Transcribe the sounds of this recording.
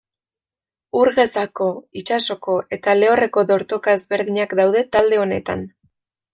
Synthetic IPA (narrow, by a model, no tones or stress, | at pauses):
uɾɣe̞sako̞it͡ʃaso̞ko̞ʔe̞t̪ale̞ore̞ko̞ðo̞ɾt̪o̞kaezβe̞ɾðiɲakd̪awð̞e̞t̪ald̪e̞o̞ne̞t̪a̰n